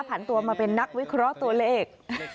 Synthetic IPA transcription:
pʰa˩˦nt̪u˧ɐmaː˧pe˧nːa˦˥k̚wi˦˥kʰɾɔ˦˥ʔt̪u˧ɐleː˥˩k̚

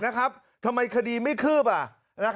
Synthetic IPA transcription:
na˦˥kʰɾa˦˥p̚ | t̪ʰa˧mːa˧jkʰa˧diː˧ma˥˩jkʰɯː˥˩pa˨˩ | na˦˥

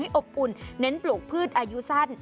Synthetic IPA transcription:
jʔo˨˩p̚ʔu˧˩nːe˦˥nplu˨˩k̚pʰɯː˥˩t̪̚ʔaː˧ju˦˥sa˥˩n

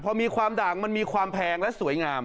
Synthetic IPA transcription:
pʰɔ˧miː˧kʰwaː˧mdaː˨˩k̚ma˧nmiː˧kʰwaː˧mpʰɛː˧ŋlɛ˦˥su˩˦əjŋaː˧m

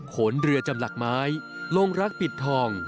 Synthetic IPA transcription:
kʰo˩˦nɾɯ˧ət͡ɕa˧mla˨˩k̚maː˦˥j | lo˧ŋɾa˦˥k̚pi˨˩t̪ʰːɔː˧˩ŋ

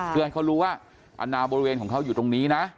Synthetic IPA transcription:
kɯː˧ha˧jkʰɔː˧˩ɾuː˦˥waː˥˩ | ʔa̰˧nːaː˧boː˧ɾi˧weː˧nkɔː˩˦kʰa˦˥wjuː˨˩t̪o˧ŋniː˦˥na˦˥

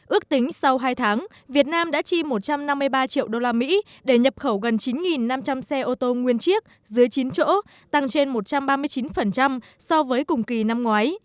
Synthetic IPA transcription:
ʔɨ˦˥ək̚t̪ï˨˦ŋ̟sa˧wɦaː˧jt̪ʰaː˨˦ŋ | vi˨˩ət̚naː˧mɗa̰ː˧˥t͡ɕi˧mo˨˩t̚t͡ɕa˧mna˧mːɨ˧əjɓaː˧t͡ɕḭ˧˨əwɗo˧laː˧mḭ˧˥ | ɗe˧˩ɲə˨˩p̚xə˧˩wɣə˨˩nt͡ɕi˨˦nŋi˨˩nːa˧mt͡ɕa˧msɛ˧ʔo˧t̪o˧ŋwi˧ənt͡ɕi˦˥ək̚ | zɨ˨˦əjt͡ɕi˨˦nt͡ɕo̰˧˥ | t̪a˧ŋt͡ɕe˧nmo˨˩t̚t͡ɕa˧mɓaː˧mɨ˧əjt͡ɕi˨˦nfə˨˩nt͡ɕa˧m | sɔ˧vəː˨˦jkʊ˨˩ŋ͡mki˨˩na˧mŋwaː˨˦j

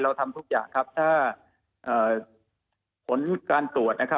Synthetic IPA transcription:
ɾa˧wt̪ʰa˧mt̪ʰu˦˥k̚ja̰ː˨˩ŋkʰa˦˥p̚t̪ʰaː˥˩ | ʔɤː˨˩ | pʰo˩˦nkaː˧nt̪u˨˩ət̪̚na˦˥kʰa˦˥

